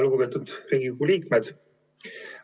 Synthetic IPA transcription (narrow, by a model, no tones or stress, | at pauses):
lɡubet̪ud̪̥riːɡikuliːkmed̪̥